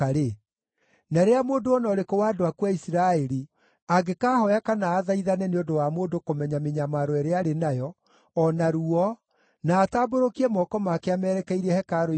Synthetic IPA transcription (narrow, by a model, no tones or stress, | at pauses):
aɾe | naɾeamoːndoɔnɔɾekowaːdoakwaisiɾaɛɾi | aɡekaːhɔjakanaːðaiðanɛneondowamoːndokomɛɲameɲamaɾoɛɾeaɾenajɔː | naɾuɔ | naːtaːboɾokiɛmɔkɔmaːkeamɛɾɛkɛiɾɛhɛkaɾo